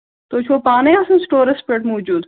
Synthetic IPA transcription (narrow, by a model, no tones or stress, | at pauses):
t̪oːt͡ʃʰoːpaːnɐjaːsɐ̃nsʈoːɾɐspeʈmoːd͡ʒuːd̪